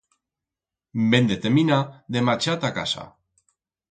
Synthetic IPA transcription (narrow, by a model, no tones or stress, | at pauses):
mbend̪et̪eminaðemat͡ʃat̪aka̰sa̰